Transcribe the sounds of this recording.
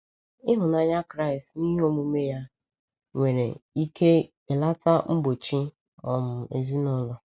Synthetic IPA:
ɪ˦ɦʊ˨na˨ɲa˦kɾa˦˨ɪ˨stni˦ɦe˦o˦mu˦me˦ja˦ | ŋʷe˨ɾḛ˨i˦ke˦ | e˨la˦ta˦m̩˦ɡ͡bo˨t͡ʃi˦ | ɔ˨mʊ˨ḛ˨zi˦nɔ˦lɔ˨

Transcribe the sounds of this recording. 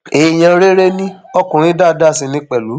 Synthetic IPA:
e˨j̃ã˧ɾe˦ɾe˦nĩ˦ɔ˧kũ˨ɾ̃ĩ˦da˦˨da˦˨sĩ˨˧nĩ˧˦k͡pɛ˨lu˨˦

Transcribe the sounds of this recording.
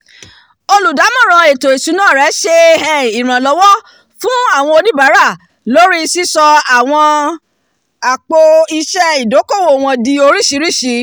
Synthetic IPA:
o˧lu˨da˨˦mɔ̃˦˨ɾ̃ã˨˧e˨to˨e˨su˨˦nãː˦˨ɾɛ˨˦ʃe˧ɛ˨i˨ɾ̃ã˨lɔ˨˧˦wɔ˦ | fũ˦a˦˨w̃ɔ̃˧o˧nĩ˦ba˨˦ɾa˦˨ | lo˦ɾi˦˧si˦sɔ˧a˨w̃ɔ̃˧ | a˨k͡po˧i˧ʃɛ˦i˨do˨˦ko˦˨wo˦˨w̃ɔ̃˧di˧o˧ɾi˦˨ʃi˨˧˦ɾi˦˨ʃi˨˦

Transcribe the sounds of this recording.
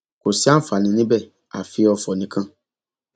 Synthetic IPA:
ko˨si˦a˦fa˨nĩ˨nĩ˦bɛ˦˨ | a̰˨fi˧ɔ˧fɔ˨nĩ˨kʰã˦

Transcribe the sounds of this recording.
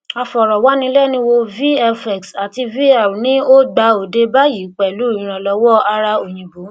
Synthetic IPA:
a˧fɔ˨ɾɔ˨wa˨˦nĩ˧˦lɛ˦˨nĩ˧˦wo˧vi˦ɛ˧fɛ˨ksa˨ti˧vi˦a˨nĩ˦o˦ɡ͡ba˧o˨de˧ba˦ji˨˦k͡pɛ˨lu˨˦ĩ˨˦ɾ̃ã˧˨lɔ˧wɔ˦a˧ɾa˧o˨j̃ĩ˨bo˨˦

